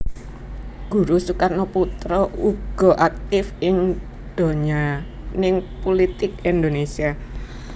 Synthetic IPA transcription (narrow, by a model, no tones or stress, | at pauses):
ɡ̥ṳɾusukarnɔput̪ɾɔʔuɡ̥ɔ̤ʔak̚t̪ɪfɪŋ | d̪̥o̤ɲa | nɪŋpolit̪ɪkind̪onesia